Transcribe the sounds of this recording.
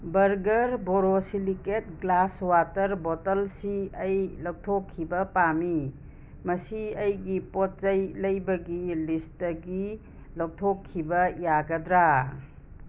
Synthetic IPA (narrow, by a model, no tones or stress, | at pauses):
bɐɾɡɐɾboɾosiliket̚ɡlaswatɐɾbotɐlsiɐjlɐw̚tʰokʰːibɐpami | mɐsiɐjɡipot̚t͡ʃɐjlɐjbɐɡilistɐɡi | lɐw̚tʰokʰːibɐjaɡɐdɾa